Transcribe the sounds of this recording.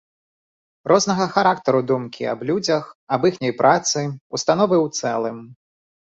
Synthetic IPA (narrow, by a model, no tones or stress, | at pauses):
rʔɔznɐɣɐxaɾakt̪ɐɾud̪umkʲiɐ̰blʲud͡zʲɐxɐbixnʲɐjpɾʔat̪sɨust̪anɔvɨwt̪sɛlˠɨm